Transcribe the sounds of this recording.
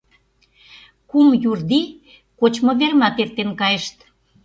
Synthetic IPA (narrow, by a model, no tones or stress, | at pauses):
kumjurd̪i | kot͡ɕmŏβermɑt̪ert̪enkɑjeʃt̪